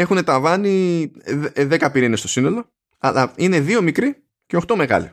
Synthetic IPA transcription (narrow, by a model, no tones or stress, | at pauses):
e̞xune̞t̪ɐvɐni | ðe̞kɐpiɾinest̪o̞sino̞lo̞ | ɐ̰lɐine̞ðio̞mikɾi | ceo̞xt̪o̞me̞ɣɐ̰lḭ